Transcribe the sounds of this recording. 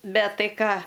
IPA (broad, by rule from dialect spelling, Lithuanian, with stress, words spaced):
ˈbʲɛt ˈtɐɪ ˈkɑː